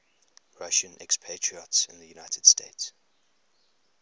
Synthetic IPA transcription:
ɹaʃə̃nʔɛ̰kspʰetʰɹ̥iɔtsɪ̰̃nðəjunaɪtʰəd̥stʰets

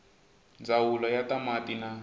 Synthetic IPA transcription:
nd͡zawulɔjatamatina

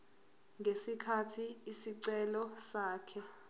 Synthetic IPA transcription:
ŋesikʰatʰiisiǀɛlɔsaːkʰɛ

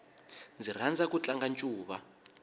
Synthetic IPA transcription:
nd͡zir̤and͡zakut͡ɬaŋɡant͡ʃʼuːβa̰

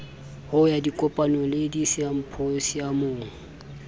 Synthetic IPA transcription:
hʊjadikʼɔpʼanɔledisɪam̩pʰosijamoːŋ̩

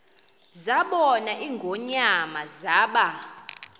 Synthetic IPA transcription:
zaɓɔnaʔiŋɡʱɔɲamazaːɓa

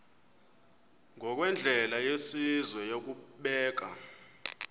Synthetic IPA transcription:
ŋʱɔk̬wɛnd͡ɮʱɛlajesizwɛjok̬uɓɛːk̬a̰

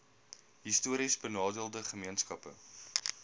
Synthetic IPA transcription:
ɦistuəɾisbənɑːdəlˠdəχəmiənskɐpə̰

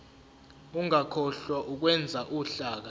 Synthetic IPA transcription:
uŋakʰɔɬwaʔuk̬wɛnd͡zʱaʔuɬaːk̬a

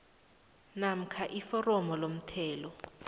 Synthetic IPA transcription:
nam̩kʰaʔifɔrɔmɔlom̩tʰɛːlɔ

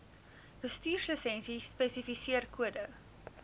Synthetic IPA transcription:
b̥əstyːrsəsɛnsispɛsifisiərkuədə

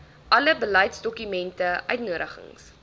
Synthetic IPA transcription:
ʔɐləbəlɐjtsdɔkymɛntəʔœɥtnuəɾəχə̰ŋs

